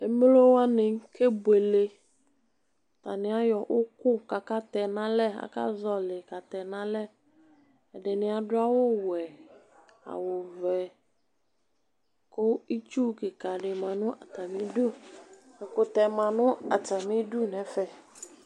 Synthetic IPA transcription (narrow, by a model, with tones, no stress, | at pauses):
e˨m˦lo˦wa˦nɪ̃˨ŋ˦kʰe˦bwe˨le˦ | t̪a˨nɪ̃˨˦a˦jɔ˨ʔʊ˦kʊ˦ka˨ka˦t̪ɛ˨nã˦lɛ˦a̰˨ka̰˦zɔ˦lɪ˨ka˨t̪ɛ˨nã˦lɛ˦ | ɛ˨ɖɪ˨nɪ̃˨a˨dʊ˦a˦wʊ˦wɛ˨ | a̰˨wʊ˨vɛ˨ | kʊ˦i˦t͡ʃu˦kɪ˨ka˨ɖɪ˨mã˨nʊ̃˦ʔa˨ta˨mĩ˦du˦ | ɪ˨kʊ˨t̪ɛ˨mã˨nʊ̃˦a˨ta˨mɪ̃˦du˦nɛ˨fɛ˨